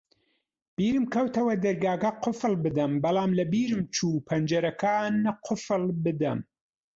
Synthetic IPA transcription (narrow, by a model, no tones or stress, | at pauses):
b̥iːɾɨmkʰɐwt̪ɐwɐd̪ɐɾɡaːɡɐqʰʊfɨlbɨd̪ɐmbɐlˠaːmlɐbiːɾɨmt͡ʃʰuːpʰɐnd͡ʒɐɾɐkʰaːnqʰʊfɨlbɨd̪ɐm